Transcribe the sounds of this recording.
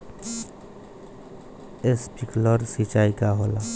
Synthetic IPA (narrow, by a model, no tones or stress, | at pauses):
espiklɔɾsit͡ʃajkaɦola